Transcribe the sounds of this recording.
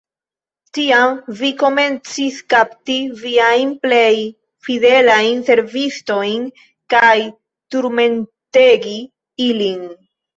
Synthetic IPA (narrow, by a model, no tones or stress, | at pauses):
tiamviko̞me̞nt͡siskaptiviajnple̞j | fide̞lajnse̞ɾvisto̞jn | kaj | tuɾme̞nte̞ɡi | ilin